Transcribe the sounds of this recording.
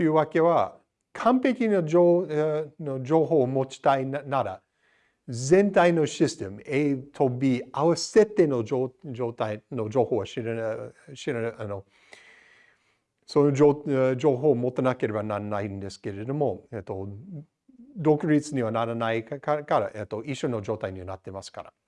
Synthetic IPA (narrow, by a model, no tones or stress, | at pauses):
tojɯ̟ːwake̞βa | kʰãmpe̞kʲinoo | nod͡ʒo̞ːɦoːmo̞t͡ʃi̥t̪ainnaɾa̰ | zẽ̞nt̪aɪno̞ɕist̪ẽmet̪ʰobiːawase̞t̪ːenood͡ʒoːt̪ajnod͡ʒo̞ːhoːɡaɕi | ɕiɾaano | sonood͡ʒo̞ːɦoːmot̪ːenake̞ɾe̞banaɾanaind̪e̞sɨ̥ke̞ɾe̞d̪o̞moet̪ːo | d̪okoɾitsɨɲiβanaɾanaikakaɾa̰ʔet̪ːo̞ʔiɕːo̞no̞d͡ʒo̞ːt̪aiɲiβanat̪ːemasɨ̥ka̰ɾa̰